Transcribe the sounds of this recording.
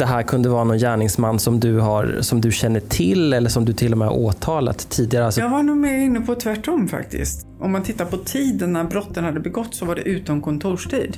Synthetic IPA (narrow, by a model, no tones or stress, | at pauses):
d̪̥ɛɦæːɾkʰɵnd̪əvɑːɾanɔnjæːɳɪŋsmanːsɔmd̪ɵɦaɾsɔmd̪ɵɕɛnːəʈʰɪlɛlːəʂɔmd̪ɵt̪ʰɪlːɔmɛha̰ɾʔoːt̪ʰɑːla̰t̪ʰːiːd̪ɪɡaɾəalsɔjɑːɡvaɳuːmeːɾɪnːəpʰɔt̪ʰvæʈːɔmːfa̰kt̪ɪ̰st̪ | ʔɔmːant̪ʰɪt̪ːaɾpʰɔt̪ʰiːd̪ənːæɾbɾɔt̪ːənhad̪ːəbɛɡɔt̪ːsɔvaɖɛ̰ʔʉ̟ːt̪ɔnkʰɔnt̪ʰuːʂʈʰiːd̪